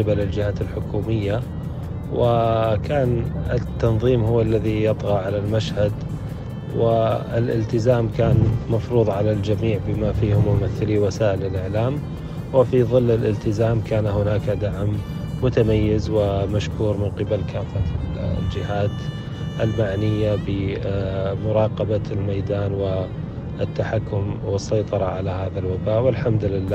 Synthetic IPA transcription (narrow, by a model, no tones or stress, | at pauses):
ɪbalɪld͡ʒɪhaːt̪ɪlħʊkuːmɪjːa | wɪkʰaːnɪt̪ːɑnðˤiːmhʊwːalːaðijɑt̪ˤɣɑʕalalmaʃhad̪ | wɪɪlʔɪ̰lt̪ɪzaːmkaːnmɑfɾuːðˤʕalald͡ʒamiːʕbɪmafiːhʊmːʊmaθːɪliːwasaːʔɪlɪlʔɪʕlaːm | wɪfiðˤɨlːɪlʔɪlt̪ɪzaːmkaːnahʊnaːkad̪aʕmː | ʊt̪amajːɪzwɪmaʃkuːɾmɪnqɨbalkaːfald͡ʒɪɦaːd̪ | ʔɪlmaʕnɪjːabɪ | mʊɾˤɑːqɑbalmajd̪aːnwɪ | t̪ːaħakːʊmwɨsˤːɑjt̪ˤɑɾˤɑʕalahaːðalwabaːʔwɪlħamd̪lɪlːaː